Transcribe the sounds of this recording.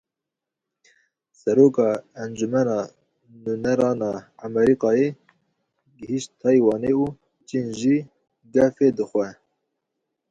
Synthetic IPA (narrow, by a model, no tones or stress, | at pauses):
sɛɾoːkɑːænd͡ʒumɛnɑː | nunɛɾɑːnɑːɑmɛɾiːkɑːje | ɡəhiʃt̪t̪ʰɑːjwɑːneuː | t͡ʃinʒi | ɡɛfed̪ɨxʷɛ